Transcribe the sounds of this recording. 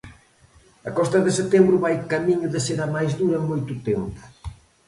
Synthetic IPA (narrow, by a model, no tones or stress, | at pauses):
ɐkɔst̪ɐðɪset̪embɾʊβajkamiɲʊðeseɾamajzðuɾɐeŋmojt̪ʊt̪empʊ̥